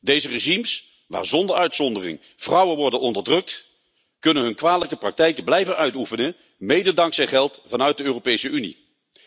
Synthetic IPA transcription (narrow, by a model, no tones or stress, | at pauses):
dejzəreʒims | ʋa̰ːɹzɔndəɹœɥtsɔndərɪ̰ŋ | v̥rɑwənʋɔɹdənɔndəɹdrɵk̚t | kɵnənɦɵnkʋaːdələkəprɑk̚tɛjkəblɛjvənʔœɥtufənə | mejdədɑŋksɛjnχɛlˠtfɑnœɥt̚dəøːropejsəynḭ